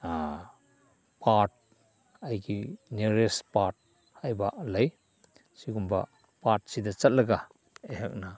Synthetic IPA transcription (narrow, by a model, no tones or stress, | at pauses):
a | pʰat̚ | ajɡineɾespat̚ | hajbalɐj | siɡumbɐ̰ | pat̚sidɐt͡ʃɐt̚lɐɡa | eɦak̚na